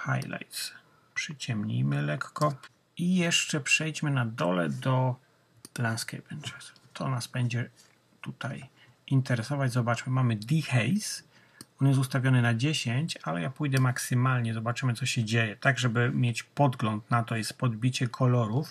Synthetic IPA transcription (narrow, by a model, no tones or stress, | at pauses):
xa̰jla̰jt̪s | pʂɛt͡ɕɛmɲḭjmɘlɛkːɔ | ijɛʂt͡ʂɛpʂɛjt͡ɕmɘnad̪ɔ̰lɛ̰d̪ɔ | lanskɛ̰jpɛnt͡ʂɛs | t̪ʰɔnazbɛɲd͡ʑɛ | t̪ut̪aj | int̪ɛɾɛsɔvad͡ʑzɔbat͡ʂmɘmamɘd̪ʲixɛjs | ɔnjɛs̬t̪ust̪avʲjɔnɘnad͡ʑeɕeɲt͡ɕalɛ̰japujd̪ɛmaksɘmalɲɛzɔbat͡ʂɘmɘt̪sɔɕɛd͡ʑejɛt̪aɡʐɛbɘmʲjet͡ɕpɔd̪ɡlɔnt̪nat̪ɔjɛst̪pɔd̪bʲit͡ɕɛkʰɔlɔɾuf